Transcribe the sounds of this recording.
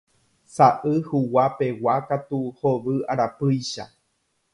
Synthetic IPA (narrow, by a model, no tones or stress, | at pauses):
saʔɨhuwape̞wakat̪uhoʋɨaɾapɨjʃa